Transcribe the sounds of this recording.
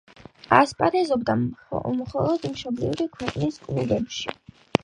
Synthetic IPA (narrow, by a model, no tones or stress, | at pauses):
aspʼaɾɛzɔbd̪amχɔlˠɔd̪mʃɔblḭvɾikʰwɛqʼniskʼnulɛpʃḭ